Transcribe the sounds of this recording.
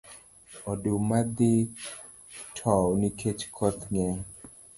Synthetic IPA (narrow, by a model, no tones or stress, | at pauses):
ɔdumad̪ɪ | tʰɔwnikʰet͡ʃkʰɔt̪ŋɛ